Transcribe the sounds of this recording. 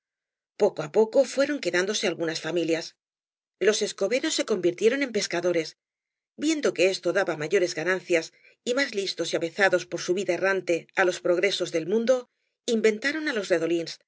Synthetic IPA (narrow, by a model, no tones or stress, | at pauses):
po̞koapo̞ko̞fwe̞ɾo̞ŋke̞ðand̪o̞se̞alɣunasfamiljas | lose̞sko̞βe̞ɾo̞sːe̞ko̞mbiɾt̪je̞ɾo̞ne̞mpe̞skaðo̞ɾe̞s | bje̞nd̪o̞ke̞e̞st̪o̞ðaβamaʝo̞ɾe̞zɣanãnθjas | imazlist̪o̞siaβe̞θaðo̞spo̞ɾsuβiðae̞rant̪e̞alo̞spɾo̞ɣɾe̞so̞zðe̞lmũnd̪o̞ | imbe̞nt̪aɾo̞nalo̞sre̞ðo̞lins